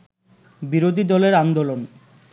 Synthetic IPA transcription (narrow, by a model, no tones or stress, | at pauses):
biɾod̪ʱid̪ɔleɾand̪olon